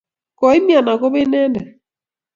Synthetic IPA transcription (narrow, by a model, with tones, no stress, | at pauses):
kɔ˨i˦mja˨na˨ko˦βe˦nɛ˦ndɛ˨